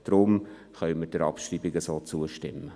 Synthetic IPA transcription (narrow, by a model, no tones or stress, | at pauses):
d̪̥ɾʊm | χœɥməd̥əɾɑ̰pʃriːbɪɡəsoːt͡suəʃtɪmːə